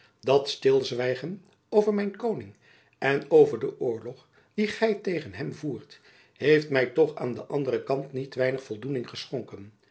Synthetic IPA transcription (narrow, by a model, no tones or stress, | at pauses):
dɑtstɪlˠzʋɛjχən | owvəɹmɛjnkownɪŋ | ɛnowvəɹdəʔʊːɹlɔχ | d̥iχɛjtejχənɦɛmvuːɹt | ɦejftmɛjtɔχa̰ːndəʔɑndərəkɑntnitʋɛjnəχfɔlˠdunɪŋχəsχʊŋkən